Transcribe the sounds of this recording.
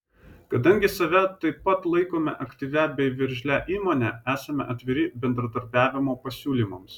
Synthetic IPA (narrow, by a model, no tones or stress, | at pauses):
kɐd̪ɐŋʲɡʲɪsɐʋʲɛt̪ɐɪpːɐt̪lˠɐɪkoːmʲɛ̰ʔɐkt̪ʲiːʋʲæbʲɛɪʋʲɪɾʲʒʲlʲæʔiːmoːnʲææːsɐmʲɛ̰ʔɐt̪ʲʋʲɪɾʲɪbʲɛnd̪ɾɐd̪ɐɾʲbʲæːʋʲɪmoːpɐsʲuːlʲiːˑmɐms